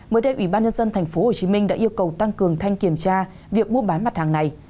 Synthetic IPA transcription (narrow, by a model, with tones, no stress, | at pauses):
məː˨˦jɗə˧jʔwi˧˩ɓaː˧nɲə˧nzə˧nt̪ʰa˨˩jŋ̟fo˨˦ho˨˩t͡ɕi˨˦mi˧ŋ̟ɗa̰ː˧˥ʔi˧əwkə˨˩wt̪a˧ŋkɨ˨˩əŋt̪ʰa˧jŋki˧˩əmt͡ɕaː˧ | vi˨˩ək̚mu˧əɓaː˨˦nma˨˩t̚haː˨˩ŋna˨˩j